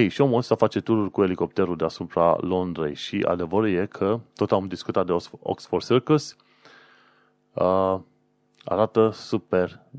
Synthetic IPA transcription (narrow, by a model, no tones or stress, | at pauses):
hejʃiomot̪safat͡ʃe̞t̪uɾurʲkue̞liko̞p̚t̪e̞ɾud̪easupɾa̰lo̞nd̪ɾḛjʃiʔa̰d̪e̞vəɾuje̞kʰət̪o̞t̪amd̪iskut̪at̪̚d̪eo̰ksforsirkuls | ə | a̰ɾat̪əsupe̞r